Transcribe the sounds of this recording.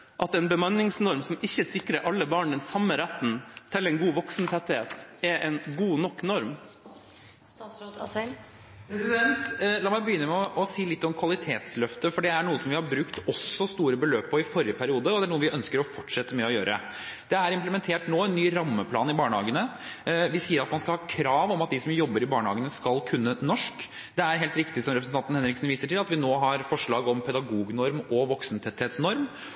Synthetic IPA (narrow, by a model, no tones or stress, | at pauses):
ʔɑt̪ɛnbəmɑnɪŋsnɔɾmsɔmɪçːəsɪkɾəʔɑlːəbɑːɳd̪ɛnsɑmːəɾæt̪ːnt̪ʰɪlɛnɡuːʋɔksn̩t̪ʰɛt̪heːt̪ɛʔɛnɡuːnɔkːnɔɾm | pʰɾɛsɪd̪ɛnt̪lɑːmæɪbəjʏnːəmɛɔʔɔsiːlɪt̪ːɔmkʰʋɑlɪt̪ʰeːt̪slœft̪əfɔɖɛæɳuːəsɔmʋɪhɑɾbɾʉkt̪ɔsːɔst̪uːɾəbəløːppʰːɔɪfɔɾɪəpʰæɾɪuːd̪əɔd̪ɛæɳuːəʋɪʔœnskəɾɔfɔʈʂɛt̪ːəmɛɔjøːɾə̰ | d̪̥ɛæɾɪmplmɛnt̪ʰeːʈnoːɛnːyːɾɑmːəpʰlɑːnɪbɑːɳəhɑːɡənə | ʋɪsiːəɾɑt̪mɑnskɑlhɑːkʰɾɑːʋɔmɑt̪̚d̪ɪsɔmjɔbːəɾɪbɑːɳəhɑːɡənəskɑlkʰʉnːənɔʂk | d̪ɛæɾɦeːlt̪ɾɪkt̪ɪsɔmɾɛp̬ɾsn̩ʰɑnt̪n̩hɛnɾɪksn̩ʋiːsəʈɪlɑt̪ʋɪnoːɦɑɾfɔʂɭɑːɡɔmpʰɛd̪ɑɡuːɡnɔɾmɔʋɔksəm̩t̪ʰɛt̪ʰhɛːt̪snɔɾm